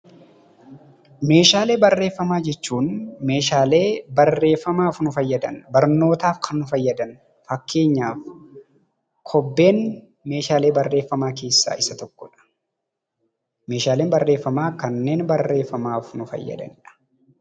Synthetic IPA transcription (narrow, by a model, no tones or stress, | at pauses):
me̞ːʃaːle̞ːbɐrːe̞ːfːɐmaːd͡ʒɛt͡ʃːuːnme̞ːʃaːle̞ːbɐrːe̞ːfːɐmaːfnʊfɐjːɐd̪ɐnbɐɾno̞ːt̪aːfkʰɐnːʊfɐjːɐd̪ɐn | fɐkːe̞ːɲːaːf | kʰɔbːe̞ːn | me̞ːʃaːle̞ːbɐrːe̞ːfːɐmaːke̞ːsːa̰ːʔɪsɐt̪ɔkːɔᶑɐ̥ | me̞ːʃaːleːnbɐrːe̞ːfːɐmaːkɐnːeːnbɐrːe̞ːfːɐmaːfnʊfɐ̰jːɐ̰d̪ɐ̰nɪᶑɐ̥